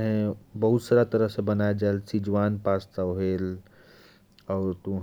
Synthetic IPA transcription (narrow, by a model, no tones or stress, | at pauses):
ɦẽbɐɦut̪saːɾat̪əɾəɦsẽbɐnaːjad͡ʒaelsid͡ʒʋaːnpaːst̪aɦeːl | ɔːɾt̪uɦ